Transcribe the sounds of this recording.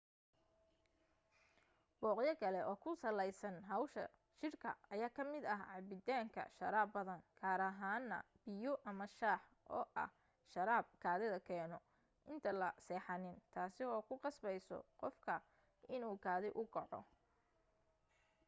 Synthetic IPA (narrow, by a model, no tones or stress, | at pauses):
b̥ɔːqjɐkʰɐlɛʔɔːkʰʊsɐlɛjsɐnɦɐwʃɐ̰ | ʃɪrkʰɐ̰ɐjaːkʰɐmɪd̪ɐɦʕɑbɪd̪aːŋkʰɐ̰ʃɐ̰ɾaːbɐðɐŋkʰaːɾɐɦaːnːɐ̰b̥ɪjɔʔɐmɐʃaːħ | ʔɔːʔɐ̰h | ʃɐɾaːb̚kʰaːðɛðɐkʰɛːnɔ | ʔɪnt̪ʰɐlɐsɛːħɑnɪnt̪ʰaːsɪɔːkʰʊqɑsbɛjsɔ̰qɔfkʰɐ | ʔɪnuːɡʰaːðɪʔʊɡɐʕɔ̰